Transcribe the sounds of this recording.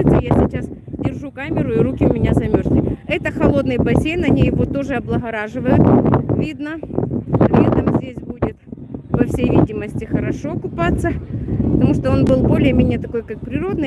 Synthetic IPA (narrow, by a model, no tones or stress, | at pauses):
t̪səjasʲɪt͡ɕasdʲɪrʐukamʲɪɾʊɪɾukʲɪʊmʲɪnʲazɐmʲorsʲlʲɪɛt̪əxɐlˠo̞d̪nɨjbɐsʲejnːɐnʲejɪvo̞t̪o̞ʐɨɐblˠəɣɐɾaʐɨvəjʊt̪vʲid̪nə | ɾʲet̪əmzʲdʲesʲbudʲɪt̪ | pɐfsʲejvʲidʲɪməsʲtʲɪxəɾɐʂo̞ɐkʊpat̪sːəpət̪ɐmuʂt̪oo̞nbɨlˠbo̞lʲɪjəmʲenʲɪjət̪ɐko̞jkak̚pɾʲɪɾo̞d̪nɨj